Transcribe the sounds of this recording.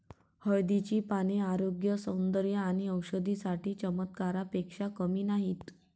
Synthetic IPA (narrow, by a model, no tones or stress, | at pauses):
həjd̪it͡ɕiːpañeaɾoɡjəsə̃wnd̪əɾjəaɽ̃iəwɕəd̪isaʈiːt͡ɕəmət̪kaɾapekʂakəmiːnaɦit̪